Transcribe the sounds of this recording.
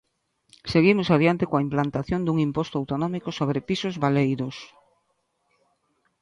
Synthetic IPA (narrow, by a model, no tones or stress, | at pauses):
seɣimʊsaðiant̪ɪkõaimplant̪aθjond̪uŋimpost̪oawt̪onɔmikosoβɾepisʊzβalejɾʊs